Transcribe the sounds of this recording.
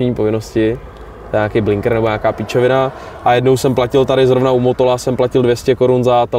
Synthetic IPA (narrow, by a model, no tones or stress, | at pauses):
ɲiːpo̞vɪno̞scɪ | tt̪ɛɛɲaːkejblɪŋkɾnɛboɲaːkaːpit͡ʃovɪna | ʔajɛdno̞wsɛmplacɪlt̪aɾɪzɾo̞vnaumo̞t̪o̞lasɛmplacɪldvjɛscɛko̞ɾunzat̪ɛ